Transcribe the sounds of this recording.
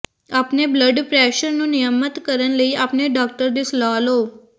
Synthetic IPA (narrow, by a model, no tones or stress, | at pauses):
apnebləɖpɾɛʃəɾnũnijəmət̪kəɾənləiapneɖɔk̚ʈəɾd̪islɔlo